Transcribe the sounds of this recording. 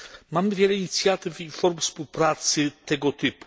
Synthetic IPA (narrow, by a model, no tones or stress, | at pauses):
mamɘvʲjɛlɛiɲit̪sʲjat̪ɘfinfɔɾmfspuwpɾat̪sɘt̪ɛɡɔt̪ɘpu̥